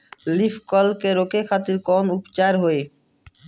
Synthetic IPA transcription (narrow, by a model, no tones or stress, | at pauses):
lifkɔlkeɾokekʰat̪iɾkɔnupt͡ɕaɾɦoe